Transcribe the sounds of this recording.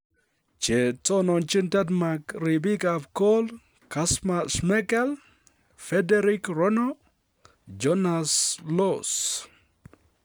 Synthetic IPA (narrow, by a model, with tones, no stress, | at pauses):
t͡ʃe˨t͡so˦nɔ˨nt͡ʃi˦nta˦t̪̬ma˨kɾi˨bi˦kapko˦l | kasmasmɛ˦kɛ˦l | fɛ˦deɾikɾo˦no | d͡ʒo˦naslos